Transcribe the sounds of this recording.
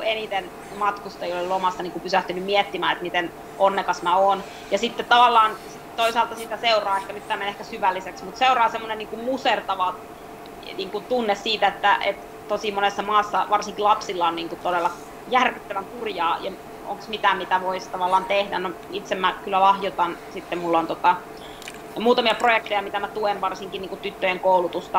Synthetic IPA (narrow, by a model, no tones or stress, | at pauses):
uenit̪en | mɑt̪kust̪ɑeijolelomɑsːɑniːkupysæht̪ynymmiɛt̪ːimæ̰ːet̪mit̪en | onːekɑsmæoːn | jɑsit̪ːet̪t̪ɑʋɑlːɑːnsit̪oisɑːlt̪ɑsiːt̪æseurɑːehkænyt̪t̪ːæːmːenehkæsyʋælːiseksmut̪seurɑːsemːonenniːŋkummusert̪ɑʋɑ | niːŋkunt̪unːessiːt̪æet̪ːæʔḛt̪ | t̪osimonesːɑmɑːsːɑʋɑrsiŋkilɑpsilːɑonniːŋkut̪odelːɑ | jærkyt̪ːæʋæŋkurjɑːjɑ | o̰ŋksmit̪æmit̪æʋoist̪ɑʋɑlːˑɑːnt̪ehdæ̰no | it̪semmækylːælɑhjot̪ɑnsit̪ːemulːont̪ot̪ɑ | muːt̪ɑmiɑprojek̚t̪ejɑmit̪æmæt̪uenʋɑrsiŋkinniːŋkut̪yt̪ːøjeŋkoulut̪ust̪ɑ